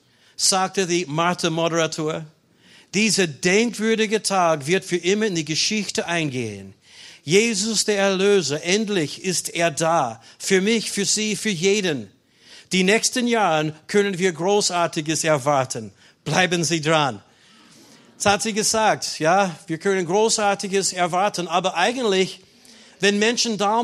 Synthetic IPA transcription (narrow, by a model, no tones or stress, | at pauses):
z̥aːk̚tədiːmaɐtʰəmɔɾəʁatʰuːɐ | d̥iːzɐdɛŋkv̥ʏɐɾɪɡətʰaːkvɪɐtfyːɐʔɪmɐɪ̃ndiːɡəʃɪçtəʔãɪnɡḛːə̰n | jeːzʊsd̥eːɐɛɐløːzɐʔɛntlɪçɪsteːɐdaːfyːɐmɪçfyːɐz̥iːfyːɐjeːdən | d̥iːnɛçstənjaːʁənkʰœnənviːɐɡʁoːsaɐtɪɡəsɛɐvaɐtʰən | b̥laɪbənziːdʁan | shatz̥iːɡəzaːk̚tjaːviːɐkʰœnənɡʁoːsaɐtɪɡəsɛɐvaɐtənaːbɐʔaɪɡəntlɪç | vɛnmɛnʃən̩daʊ